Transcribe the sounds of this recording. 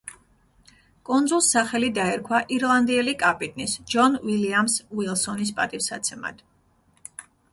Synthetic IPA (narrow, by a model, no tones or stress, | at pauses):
kʼunzulˠsaχɛlid̪aɛɾkʰwaʔiɾlˠand̪iɛlikʼapʼit̪ʼnisd͡ʒɔnwiliamswilˠsɔnis̬pʼat̪ʼifsat̪sʰɛma̰d̪̥